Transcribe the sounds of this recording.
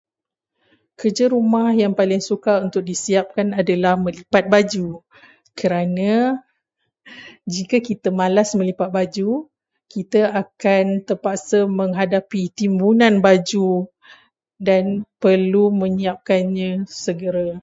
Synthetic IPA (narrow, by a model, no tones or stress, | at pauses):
kərd͡ʒaɾumahjaŋpalɪŋsukaunt̪ʊk̚disiap̚kanadalahmə̃lipat̪̚bad͡ʒu | kəɾanã | d͡ʒikakit̪amãlasmə̃lipat̪̚bad͡ʒu | kit̪aakant̪ərpaksəmə̃ŋɦadapit̪imbunanbad͡ʒu | danpərlumə̃ɲiap̚kanɲãsəɡəɾa